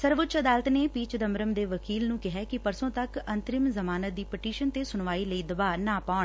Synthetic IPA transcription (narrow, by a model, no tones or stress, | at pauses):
səɾʋʊtːt͡ʃəd̪aːlət̪neːpiːt͡ʃd̪əmɾəmd̪eːʋəkiːlnũːkɪɦɛːkɪpəɾsõːt̪əkənt̪ɾɪmzəmaːnət̪̚d̪iːpɪʈiːʃənt̪eːsʊɳʋaːiːləiːd̪əbaːnaːpaːɳ